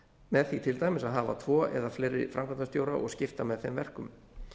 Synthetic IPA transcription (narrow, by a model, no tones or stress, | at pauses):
mɛðθit̪ʰɪlt̪aːjmɪsaðɦaːva̰t̪ʰvɔːɛ̰ðafleːjɾɪ̰fɾamkvanast̪jowɾaʔɔ̰ɣscɪft̪amɛðθemvɛr̥kʏm